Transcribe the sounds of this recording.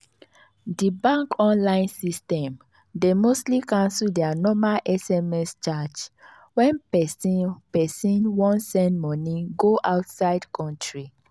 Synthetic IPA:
dibãŋkɔ̃nlãɪ̃nsistɛ̃m | demostlikãnsuldɛanɔmalʔɛsɛmɛst͡ʃad͡ʒ | wɛ̃npɛsipɛsĩnwɔ̃nsɛ̃ndmɔnĩɡoʔaʊtsaɪdkɔ̃ntʰɹi

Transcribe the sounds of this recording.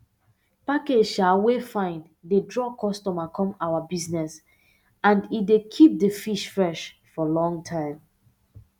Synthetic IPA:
paked͡ʒʃawefãɪ̃n | dedɹɔkʰɔstɔmakʰɔ̃mawabiznɛs | ãndit̚dekʰip̚dəfiʃfɹɛʃfɔlɔ̃ŋtʰãɪ̃m

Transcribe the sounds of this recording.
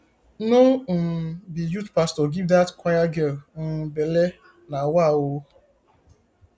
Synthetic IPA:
nobijutpastɔɡivdatkʷajaɡeln̩bele | nawawo

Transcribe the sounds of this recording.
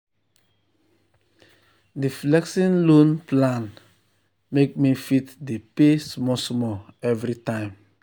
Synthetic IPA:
diflɛksĩnlõnplãn | mek̚mifitdepesmɔsmɔɛvɾitãɪ̃m

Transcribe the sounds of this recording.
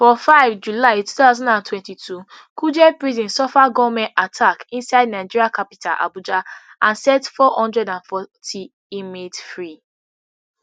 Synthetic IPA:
fɔfaɪvd͡ʒulaɪtutaʊzɔ̃ndãntwɛ̃ntitʰu | kʰud͡ʒɛpɹizĩnsɔfaɡɔvmɛ̃ntatʰakĩnsaɪdnaɪd͡ʒiɹiakapi̥tʰalʔa̰bud͡ʒaʔãnsɛtfɔhɔ̃ndɹɛdãnfɔtʰi | imedfɹi

